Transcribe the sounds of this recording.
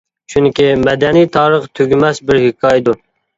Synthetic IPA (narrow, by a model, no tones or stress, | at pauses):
t͡ʃʰunkʲimɛd̪ɛnijt̪ʰɑːɾəχt̪ʰøɡʲymɛsbɪɾhɪkʰɑːjd̪u